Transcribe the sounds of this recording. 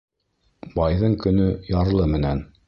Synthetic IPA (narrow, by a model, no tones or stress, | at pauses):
bɑjðɤɴkɵ̆nɵjɑɾlˠɤmɘ̆næn